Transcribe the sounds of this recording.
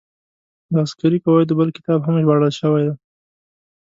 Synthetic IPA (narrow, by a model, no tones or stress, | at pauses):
d̪ɑːskaɾikawajd̪əbəlkɪ̥t̪ɑbɦamʒbɑɽəlʃəwajd̪a